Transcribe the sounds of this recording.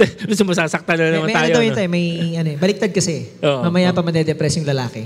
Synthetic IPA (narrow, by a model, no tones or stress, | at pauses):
ɡʊsɐmɐsaːsɐk̚t̪anɐnɐmɐnmɛʔ̪ɐnːaojoɐwjʊ̃nt̪ajomɐjʔɐnoɛbɐlɪk̚t̪ad̪̚kɐsɛʔoʔmɐmɐjapɐmɐd̪ɛd̪ɛpɾɛsjʊŋlɐlaːkɛ